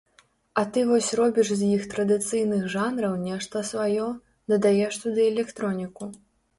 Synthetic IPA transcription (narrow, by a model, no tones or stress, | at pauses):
ɐt̪ɨvɔsʲrɔbʲiʂzʲjixt̪ɾɐd̪ɨt̪sɨjnɨxʐanɾɐwnʲɛʂt̪ɐsvajɔ | d̪ɐd̪ajɛʂt̪ɐd̪ɨɛlʲɛkt̪ɾɔnʲiku